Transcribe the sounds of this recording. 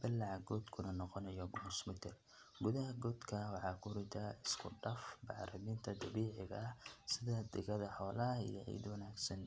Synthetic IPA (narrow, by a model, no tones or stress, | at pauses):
bɪlːɑʕɑɡɔːd̪kʰʊnɐnɔqɔnɐjɔmʊsmɪt̪ʰɪr | ɡʊðɐɦɐɡɔːd̪kʰɐwɑħɑːkʰʊɾɪt̪ʰaɪskʰʊɖɐfbɑʕɾɐmiːnt̪ʰɐd̪ɐβiːʕɪɣɐ̰ːsɪðɐd̪ɪɣɐðɐħɔːlɐɐḭjɐ̰ʕḭːjd̪wɑnaːɡsɐn